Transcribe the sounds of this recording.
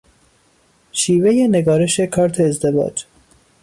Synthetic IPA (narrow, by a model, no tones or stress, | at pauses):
ʃiːve̞jene̞ɡɒːɾe̞ʃe̞kʰɒːɾt̪ʰeːzd̪e̞vɒ̰ːd͡ʒ